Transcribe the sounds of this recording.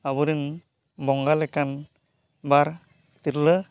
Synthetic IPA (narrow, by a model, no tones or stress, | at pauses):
abɯɾin | bɔŋɡalɛkan | baɾ | t̪iɾlə